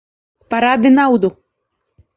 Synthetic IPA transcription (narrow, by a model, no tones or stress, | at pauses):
paɾad̪ɪnawd̪ʊ